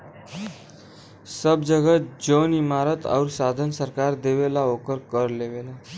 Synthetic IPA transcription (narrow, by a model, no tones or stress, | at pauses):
səbd͡zəɡət̪̚d͡ʑonimaɾət̪ʰa̰uɾsad̪ʱənsəɾkaɾd̪eʋelaokəɾkəɾleʋela